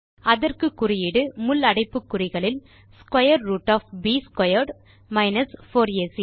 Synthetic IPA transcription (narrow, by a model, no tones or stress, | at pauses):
ɐðɐrkɯkːʊrɪjɪɽɯmʊlːɐɽɐɪpːɯkːʊɾɪɣɐɭɪl | skwɐjɐɾːuːʈːaːfbiːskɐjɐɾɖ | mɐɪnɐsfoːɾɪjesi